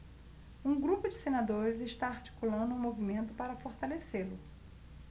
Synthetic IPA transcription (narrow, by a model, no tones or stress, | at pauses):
ũɡɾupʊd͡ʒɪsenad̪oɾɪzɪʃt̪aaɾt͡ʃi̥kulɐ̃nd̪ʊũmovimẽnt̪ʊpaɾɐfoɾt̪aleselʊ